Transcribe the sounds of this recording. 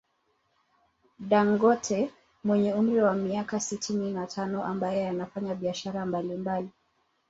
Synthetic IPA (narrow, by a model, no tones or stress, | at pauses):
ɗaŋɡɔtʰɛ | mwɛɲɛum̩ɾiwamiakasitʰininatʰanɔʔambajɛanafaɲaɓiaʃaɾambalimbali